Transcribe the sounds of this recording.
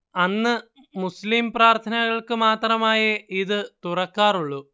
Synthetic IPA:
ɐnːɨ | muslimpraːrt̪ʰɐnɐɣɐɭkɨmaːt̪rɐmaːjɐʔiðɨt̪urɐkːaːruɭːu

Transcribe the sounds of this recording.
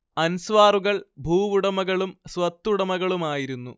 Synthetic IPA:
ɐnsʋaːruɣɐɭbʱuːʋuɽɐmɐɣɐɭumsʋɐt̪ːuɽɐmɐɣɐɭumaːjiɾunːu

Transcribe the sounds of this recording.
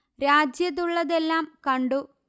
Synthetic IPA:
ɾaːd͡ʑjɐt̪ːuɭːɐðelːaːmkɐɳɖu

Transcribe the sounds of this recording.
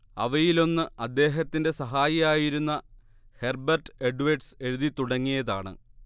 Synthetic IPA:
ɐ̰ʋɐjilo̞nːɨʔɐd̪ːe̞ːɦɐt̪ːinde̞sɐɦaːjɐjaːjiɾunːɐ | herbɐrʈɨe̞ɖuʋɐɖse̞ɾuðit̪uɽɐŋːijɐðaːɳɨ̰

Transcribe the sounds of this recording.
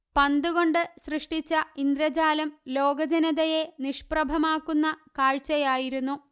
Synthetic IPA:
pɐnd̪uɣo̞ɳɖɨsrɨʂʈit͡ɕːɐind̪ɾɐd͡ʑaːlɐmlo̞ːɡɐd͡ʑɐnɐðɐje̞niʂprɐbʱɐmaːkːunːɐkaːɻt͡ɕɐjaːjiɾunːu

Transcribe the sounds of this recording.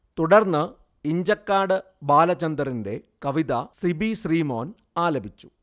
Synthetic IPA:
t̪uɽɐrnːɨ | iɲd͡ʑɐkːaːɽɨ | baːlɐt͡ɕːɐnd̪ɐrinde̞kɐʋiðɐsibiɕriːmo̞ːn | aːlɐbʱit͡ɕːu̥

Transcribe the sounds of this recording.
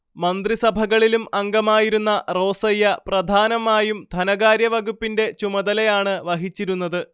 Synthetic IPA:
mɐnd̪risɐbʱɐɣɐɭilumɐŋɡɐmaːjiɾunːɐro̞ːsɐjːɐprɐd̪ʱaːnɐmaːjumd̪ʱɐnɐɣaːɾjɐʋɐɣupːinde̞t͡ɕumɐðɐlɐjaːɳɨʋɐɦit͡ɕːiɾun̪ːɐðɨ

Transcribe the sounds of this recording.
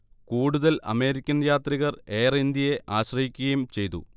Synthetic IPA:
kuːɽuðɐlɐ̰me̞ːɾikʲːɐnjaːt̪riɣɐre̞ːrind̪jɐje̞ʔaːɕrɐhikʲːuɣɐjumt͡ɕe̞jt̪ṵ

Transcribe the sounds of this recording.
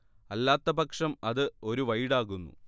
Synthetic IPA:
ɐlːaːt̪ːɐbɐkʂɐmɐðɨo̞ɾuʋɐjɽaːɣunːṵ

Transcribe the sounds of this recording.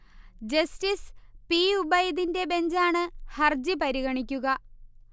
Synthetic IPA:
d͡ʑɐstispiubɐjiðinde̞be̞ɲd͡ʑaːɳɨhɐrd͡ʑipɐɾiɣɐɳikʲːuɣɐ

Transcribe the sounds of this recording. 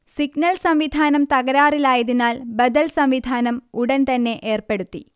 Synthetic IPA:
siɡnɐlsɐmʋid̪ʱaːnɐmt̪ɐɣɐɾaːrilaːjɐðinaːlbɐd̪ɐlsɐmʋid̪ʱaːnɐmuɽɐnt̪ɐnːe̞ʔeːrpe̞ɽut̪ːi

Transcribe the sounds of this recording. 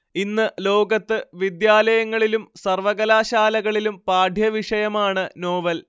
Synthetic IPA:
inːɨlo̞ːɡɐt̪ːɨʋid̪jaːlɐjɐŋːɐɭilumsɐrʋɐɣɐlaːɕaːlɐɣɐɭilumpaːɖʱjɐʋiʂɐjɐmaːɳɨno̞ːʋɐl

